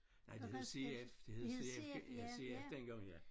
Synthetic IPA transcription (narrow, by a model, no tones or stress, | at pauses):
nɑɪd̥ehe̝ðˠseefd̥eheðˠseefjseefd̥enɡ̥ɑ̈ŋ̰jæ